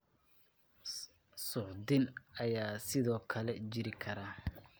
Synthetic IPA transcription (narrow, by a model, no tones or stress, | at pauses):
sʊʕd̪ɪnɐjaːsɪðɔːkʰɐlɛt͡ʃɪɾɪkʰɐɾaː